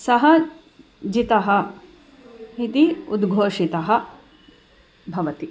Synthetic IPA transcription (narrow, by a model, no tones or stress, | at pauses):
sɐɦɐ | d͡ʒit̪ɐɦɐ̆ | ɦit̪iud̪ɡʱoːʂit̪ɐɦɐ̆ | bʱɐʋɐt̪i